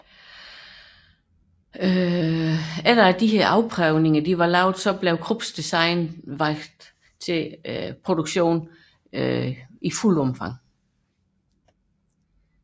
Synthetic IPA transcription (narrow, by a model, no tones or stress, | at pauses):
æd̥əæd̥iheɐʔɑ̈ʊpʰʁɛʊne̝ŋɐd̥iʋɑ̈lɑ̈ʊ̰d̥sɒ̽b̥leʊkʰʁub̥sd̥isɑ̈ɪnʋɑ̈ɡ̥d̥ | t͡sʰe̝pʰʁo̝d̥uɡ̥ɕo̝̰ːn | iful̰ɒ̽mfɑ̈ŋ̰